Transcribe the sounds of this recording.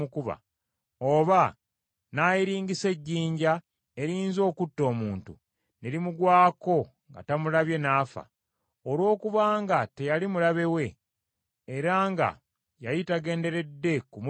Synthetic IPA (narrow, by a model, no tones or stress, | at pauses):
ukuβa̰ | o̞βa | najiɾiːɲɡise̞ɟːiːɲɟa | e̞ɾiːnzo̞ːkutːo̞ːmuːntu | neɾimuɡwaːko̞ | ŋɡa̰tamulaβje̞naːfa̰ | olwo̞ːkuβaːŋɡate̞jalimulaβe̞we̞ː | ɾaːŋɡa̰ | jajitaɡe̞ːnde̞ɾe̞dːe̞kumu